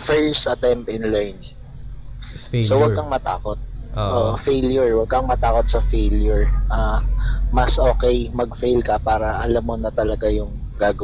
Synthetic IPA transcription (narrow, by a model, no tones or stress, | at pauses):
fɛɹst̪ɐt̪ɛmp̪ɪnlɛɹnɪŋ | ssowɐɡkɐŋmɐt̪a̰ːkot̪̚ʔoːʔfejljʊɹwɐɡ̚kɐŋmɐt̪aːkot̪̚sɐfejljʊɹʔa | mɐsʔo̞ːkɛjmɐɡfejlkɐpaːɾɐʔɐlamːonɐt̪ɐlɐɡajʊŋ | ɡaːɡɐw